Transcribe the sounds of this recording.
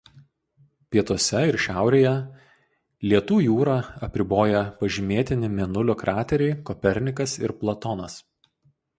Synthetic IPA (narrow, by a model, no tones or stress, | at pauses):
pʲiɛt̪uɔsʲɛɪɾʃʲæˑʊɾʲeːjɛ | lʲiɛt̪uːjuːɾɑːɐpʲɾʲɪboːjɛpɐʒʲɪmʲeːt̪ʲɪnʲɪmʲɛnʊlʲʊkɾʔɑːt̪ʲɛɾʲɛɪkɔpʲɛɾʲnʲɪkɐsɪ̰ɾplˠɐt̪ɔnɐs